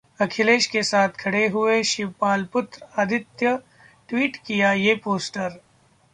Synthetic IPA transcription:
ɐkʰɪleːʃkesaːt̪ʰkʰɐɽeɦʊeʃɪʋpaːlpʊt̪ɾaːd̪ʱɪt̪jə | ʈwiːʈkijajeːpoːsʈəɾ

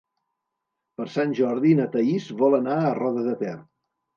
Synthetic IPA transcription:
pəɾsanʲʒɔɾðinət̪əizβɔlənaərɔðəðət̪ɛr

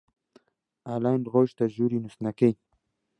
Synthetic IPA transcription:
alanɣoʃt̪aʑuɾinusnakej

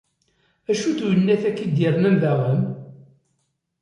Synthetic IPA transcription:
æʃuθujənːæθækːid̪jɪɾˤnæmðæʁəm

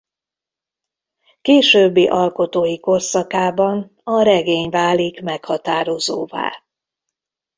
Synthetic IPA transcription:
keːʃøːbːiʔɒlko̞t̪oːjiko̞rsɒkaːbɒn | ɒɾɛɡeːɲvaːlikmɛkhɒt̪aːɾo̞zoːva̰ː

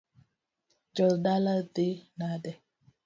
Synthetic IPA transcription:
d͡ʒɔldalad̪enadɛ

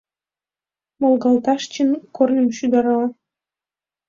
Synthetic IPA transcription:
molɣɑlt̪ɑʃt͡ɕənkornəmʃyd̪ɑɾɑ

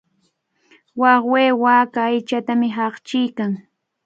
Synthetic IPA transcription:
wɑχweːwaːkaːjt͡ʃat̪amɪɦɑχt͡ʃɪjkaŋ

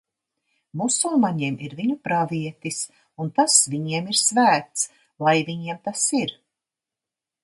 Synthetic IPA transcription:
musulmaɲiɛmiɾviɲupɾaviɛt̪is | unt̪asviɲiɛmiɾsvæːt̪s | lˠajviɲiɛmt̪asiɾ

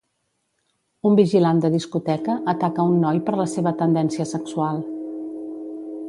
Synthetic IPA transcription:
umbiʒiland̪əðiskut̪ɛkəʔːt̪akəunːɔjpəɾləseβət̪ənd̪ɛnsiəsəksualˠ

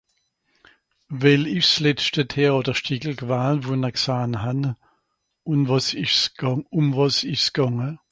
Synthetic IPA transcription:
vɛlɪʃslɛstətʰɛɔːdɐʃtiːɡl̩kvaːnvunɐksaːnɦan | ʊnvɑsɪʃsʊmvɑsɪʃsɡ̥ɑŋə

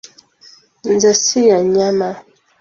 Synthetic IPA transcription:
nd͡zɛsijaɲama

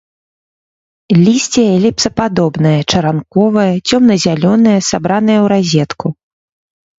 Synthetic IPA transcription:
lʲisʲt͡sʲɛjɐlʲɛp̚sɐpad̪ɔbnɐjɐt͡ʂɐɾankɔvɐjɐt͡sʲɔmnɐzʲalʲɔnɐjɐsabɾan̪ɐjɐwɾazʲɛt̪ku

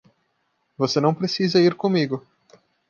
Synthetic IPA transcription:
vosenɐ̃w̃pɾesizɐiɾkõmiɡʊ

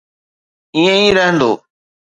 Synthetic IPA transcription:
ĩːə̃ĩːɾəɦə̃nd̪oː

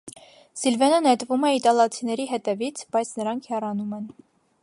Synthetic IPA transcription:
silvɛnənɛt̪vumɛit̪ɑlɑt͡sʰinɛɾiɦɛt̪ɛvit͡sʰbɑjt͡sʰnəɾɑŋkʰhɛrɑnumɛn

